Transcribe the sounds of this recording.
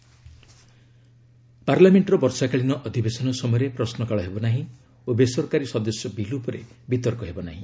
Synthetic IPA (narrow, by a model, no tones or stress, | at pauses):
paɾlameɳʈɾɔbɔɾsakaɭinɔʔɔd̪ʱibesɔnɔsɔmɔjɔɾepɾɔsnɔkaɭɔɦebɔnaɦĩ | obesɔɾkaɾisɔd̪ɔsjɔbilupɔɾebit̪ɔɾkɔɦebɔnaɦĩ